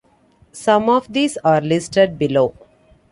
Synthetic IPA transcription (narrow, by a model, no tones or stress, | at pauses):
sʌ̃mɔːʋd̪iːsaːɾlɪsʈəɖ̚bɪloː